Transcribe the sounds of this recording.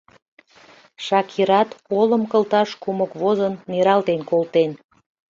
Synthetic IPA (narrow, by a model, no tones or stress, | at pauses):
ʃɑkʰiɾɑt̪oləmkəlt̪ɑʃkuməkβozənːiɾɑlt̪enkolt̪en